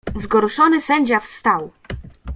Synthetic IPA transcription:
zɡɔɾuʂɔnɘsɛɲd͡ʑafst̪aw

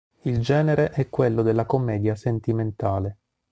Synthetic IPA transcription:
ild͡ʒɛːneɾeʔɛkːwelːod̪elːakomːɛːd̪jasent̪iment̪aːle

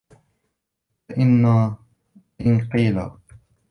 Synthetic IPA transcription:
aʔɪnːaː | ʔɪnqiːla̰

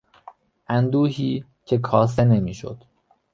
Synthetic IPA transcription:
ʔænd̪uːɦiː | cʰe̞kʰɒːs̬ene̞miːʃo̰d̪̥

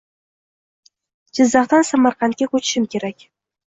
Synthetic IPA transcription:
d͡ʒɪzːɑχt̪ansamaɾqʰɑnt̪̚kʲakɵt͡ʃʰɪ̥ʃɪmkʲʰe̞ɾakʲ

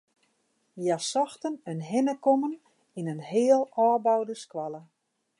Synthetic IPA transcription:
jasɔxtənənɦɪnəkomən | inənɦɪːəlˠɔːbawdəskwalə

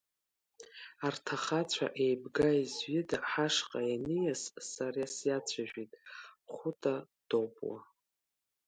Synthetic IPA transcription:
artʰaχat͡ɕʷʰa̰ʔejbɡaizɥɪdaħaʂqʼajanɨjassarasjat͡sʷʰaʒᶣitʼχʷʊtʰʼa | d̥opʼwa̰

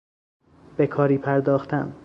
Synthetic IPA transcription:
b̥e̞kʰɒːɾiːpʰæɾd̪ɒːxt̪ʰæm

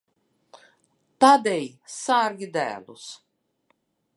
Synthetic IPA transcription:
t̪ad̪ɛjsaɾɡʲid̪æ̰ːlˠus

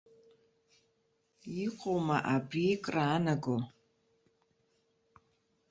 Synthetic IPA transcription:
iqʷʼowmɐʔabrikʼraːnɐɡʷo

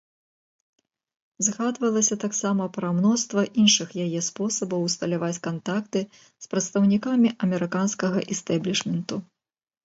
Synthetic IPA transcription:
zɣad̪vɐlˠɐsʲɐt̪aksamɐpɾɐmnɔst̪vɐʔinʂɨxjajɛspɔsɐbɐwst̪ɐlʲavat͡sʲkant̪akt̪ɨ | spɾɐt̪st̪ɐwnʲikamʲiʔɐmʲɛɾɨkanskɐɣɐʔɛst̪ɛblʲiʂmʲɛnt̪u

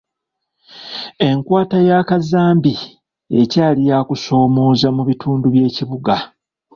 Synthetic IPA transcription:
e̞ŋkwaːtajaːkazaːmbi | e̞̰caːlijaːkuso̞ːmo̞ːzamuβitʰuːnduβje̞ːciβuɡa

